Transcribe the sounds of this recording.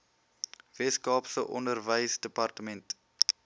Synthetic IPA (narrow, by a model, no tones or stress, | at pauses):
vɛtskɑːpsəʔɔndərvəjsdəpɐrtəmɛnt